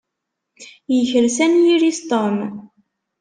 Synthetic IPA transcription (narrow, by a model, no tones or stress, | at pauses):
jəçəɾsænjiɾist̪om